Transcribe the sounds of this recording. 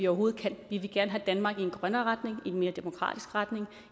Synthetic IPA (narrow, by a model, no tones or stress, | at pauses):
iɒʊɐo̝ːð̩ˠkʰæn̰ʋiʋe̝ɡ̥æɐnəɦæd̥ænmɑ̈ːɡ̥ienɡ̥ʁɶnɐːʁad̥ne̝ŋienme̝ːɐd̥e̝mo̝kʰʁɑ̰̈ːd̥isɡ̥ʁad̥ne̝ŋ